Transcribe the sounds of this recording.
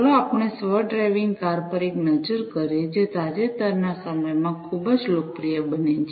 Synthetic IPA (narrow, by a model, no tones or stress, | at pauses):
loapəɳ̃esʋəɖɾajʋiŋɡkaɾpəɾeknəd͡ʒəɾkəɾid͡ʒet̪ad͡ʒet̪əɾnasəməjmãkʰubəd͡ʒlok̚pɾijəbənet͡ʃ